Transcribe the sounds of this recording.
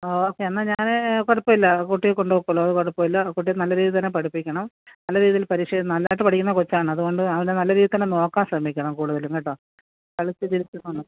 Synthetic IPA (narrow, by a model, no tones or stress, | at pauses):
oːoːkːeɐnːaɲaːnekorɐpːoːilːɐkuʈːijekoɳɖuʋɐkːuɭːɐɐðɨkoɽɐpːoilːɐkuʈ̬ːijnɐlːɐɾiːðit̪ɐnːepɐɽipːikʲːɐɳɐm | nɐlːɐɾiːðijilpɐɾiʂenɐlːaːjiʈ̬ːɨpɐʈʰikʲːunːɐkot͡ɕːaːɳɨɐðuɣo̞ɳɖɨɐʋindenɐlːɐɾiːðit̪ɐnːeno̞ːkːaːmɕrɐmikʲːɐɳɐmkuːɽuðɐleŋɡɐʈːo | kɐɭit͡ɕːɨt͡ɕilit͡ɕːunːuɳːɐ